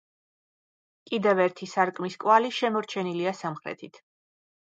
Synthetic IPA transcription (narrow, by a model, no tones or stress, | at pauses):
kʼid̪ɛvɛɾt̪ʰisaɾkʼmiskʼwaliʃɛmɔɾt͡ʃʰɛniliasamχɾɛ̰t̪ʰit̪ʰ